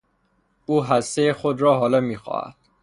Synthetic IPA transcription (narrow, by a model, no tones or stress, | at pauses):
uːɦæst̪ejexod̪ɾɒːɦɒːlɒːmiːxɒ̰ːhæ̰d̪̥